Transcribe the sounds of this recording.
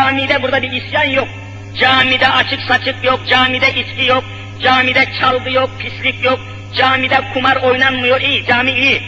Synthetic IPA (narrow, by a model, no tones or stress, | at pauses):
aːmid̪ɛbuɾd̪abiʔːsjanjɔk̚ʼ | d͡ʒaːmid̪ɛʔat͡ʃʰiksat͡ʃʰikʼjɔkʼd͡ʒaːmid̪ɛʔiskʲʼijɔkʼ | d͡ʒaːmid̪ɛt͡ʃʰalɡ̪ɨjɔk̚ʼpʰislikʼjɔkʼ | d͡ʒaːmid̪ɛkʰumaɾɔjnanmɨjɔʔid͡ʒaːmiʔi